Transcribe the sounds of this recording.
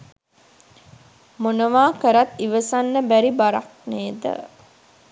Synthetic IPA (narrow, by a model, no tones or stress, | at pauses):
monəʋaːkəɾat̪ːiʋəsanːəbæɾibaɾa̰k̚neːd̪ə̰